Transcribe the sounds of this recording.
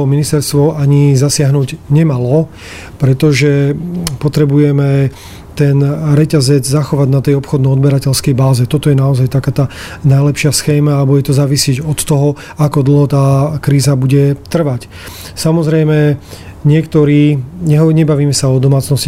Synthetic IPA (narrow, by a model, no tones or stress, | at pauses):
ɔminist̪ɛɾst̪ʋɔaɲizasɪaɦnuːɟɲɛmalɔ | pɾɛt̪ɔʒɛpɔt̪ɾɛbujɛmɛ | t̪ɛnɾɛcazɛd͡zzaxɔʋaɟnat̪ɛjɔpxɔd̪nɔɔd̪bɛɾacɛlskɛjbaːzɛt̪ɔt̪ɔjɛnaɔzajt̪akaːt̪aːnajlɛpʃɪasxɛːmaalbuɟɛt̪ɔzaːʋisɪɛɟɔt̪ːɔɦɔ | akɔd̪l̩ˠɦɔt̪aːkɾiːzabuɟɛt̪r̩ʋac | samɔzɾɛjmɛ | ɲɪɛkt̪ɔɾiːɲɛɦɲɛbaʋiːmɛsaɔd̪ɔmaːt͡snɔsc